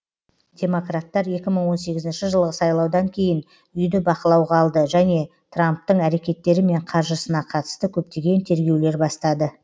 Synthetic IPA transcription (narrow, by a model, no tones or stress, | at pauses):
d̪̥ʲe̞mo̞krat̪ːɑɾje̞kʲɪməɴwo̞nse̞ɡʲɪzɪnʃɪʒəlˠʁəsɑjlˠɑwd̪ɑŋkʲʰe̞jɪn | ʏjd̪ɪbɑqəlˠɑwʁɑːlˠd̪əʒæne̞ | t̪ramp̚t̪əɴæɾe̞kʲe̞t̪ːe̞ɾɪme̞ɴqʰɑɾʒəsənɑqʰɑt̪ə̥st̪əkʲʰɵp̚t̪e̞ɡʲe̞nt̪ʰe̞ɾɡʲe̞wle̞ɾbɑst̪ɑd̪ə